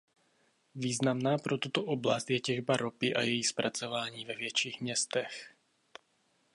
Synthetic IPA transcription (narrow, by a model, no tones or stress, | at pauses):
viːznamnaːpɾot̪ut̪oʔoblast̪jɛcɛʒbaɾʔopɪʔa̰jɛjixspɾʔat͡sovaːɲiːvɛvjɛt͡ʃiːxmɲɛst̪ɛx